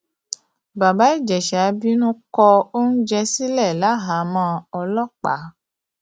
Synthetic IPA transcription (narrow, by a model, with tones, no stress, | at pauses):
ba˨ba˨˦i˦˨d͡ʒɛ˨ʃa˨˦bi˦nũ˦kɔ˧o˦n̩˦d͡ʒɛ˧si˦lɛ˦˨la˨˦ɦa˨˦mã˦ɔ˧lɔ˦k͡pa̰˨˦